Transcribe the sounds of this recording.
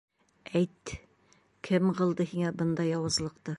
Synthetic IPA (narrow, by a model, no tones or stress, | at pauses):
æjt̪ː | kʰɘmqɤ̆lˠd̪ɤhiŋæbɤnd̪ɑjɒwɤ̆zlˠɤ̆qt̪ɤ